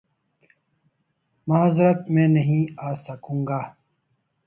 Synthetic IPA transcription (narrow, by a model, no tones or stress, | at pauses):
mɐɦazɾɐt̪̚mẽːnɐɦĩaːsɐkũːŋɡaː